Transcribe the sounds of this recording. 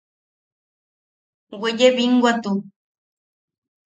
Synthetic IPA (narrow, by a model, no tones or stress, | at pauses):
weʎebiŋɡwat̪u